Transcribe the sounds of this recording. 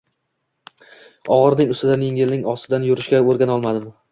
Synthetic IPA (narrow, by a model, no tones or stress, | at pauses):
ɒʁɨɾnɪŋʊst̪ɪd̪anjeŋɪlnɪŋɒsɪd̪anjʊɾɪʃkʲaoɾɡʲanɒlˠmad̪ɪm